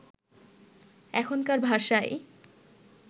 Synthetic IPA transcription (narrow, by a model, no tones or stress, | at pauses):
ɛkʰonkaɾbʱaʃaej